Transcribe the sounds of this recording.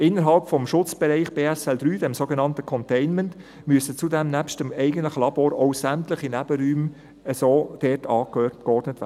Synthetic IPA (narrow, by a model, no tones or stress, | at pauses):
ɪnːəɾɦɑlpfɔmʃʊt͡sb̥ɛɾɛɪχb̥eːɛsɛldɾyːdɛmsoːɡenɑntəkʰɔntɛɪnmɛnt | myəsət͡sudɛmnæpʃtəmɛɪɡəntlɪχəlɑb̥oːɾoʊsæmtlɪχinɛb̥əɾyːm | əsoːd̥ɛtʰɑːkkɔrd̥nətʋæ̰də̥